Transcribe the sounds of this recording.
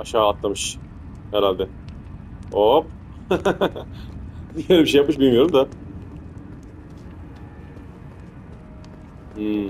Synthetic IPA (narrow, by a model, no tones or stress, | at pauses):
aʃaːat̪lamɯʃ | heɾalʲd̪ɛ | op̚ | d̪ijelʲibiʃejap̚mɯʃ̬bilʲmijoɾumd̪a